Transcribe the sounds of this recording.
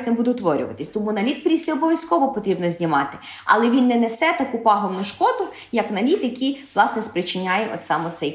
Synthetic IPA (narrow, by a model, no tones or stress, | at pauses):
nɛbud̪ɛwt̪ʋɔɾʲʊ̰ʋɐ̰t̪ɪsʲt̪ɔmunɐlʲit̪̚pɾʲisʲlʲɐɔbɔʋʲjɐsʲkɔʋɔpɔt̪ɾʲibnɔzʲnʲimɑt̪ɪ̥ | ɐ̰lˠɛʋʲinːɛnesɛt̪ɐkupɑɦɔwnʊʃkɔd̪ʊ | jɐknɐlʲit̪jɐkʲijʋlˠɑsnɛspɾɪt͡ʃɪnʲajɛʔɔ̰t̪sɑmɔt̪sɛj